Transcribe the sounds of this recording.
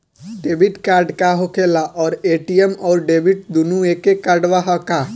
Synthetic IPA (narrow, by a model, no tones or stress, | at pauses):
ɖebʱiʈkaɾɖkaɦokelaʔɔːɾeʈijemɔːɾɖebiʈ̚d̪unuekekaɾɖʋaɦəka